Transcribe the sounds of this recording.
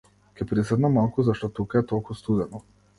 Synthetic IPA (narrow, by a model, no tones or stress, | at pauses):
kʲɛpɾisɛd̪namalˠkuzaʃt̪ɔt̪ukaɛt̪ɔlˠkust̪ud̪ɛnɔ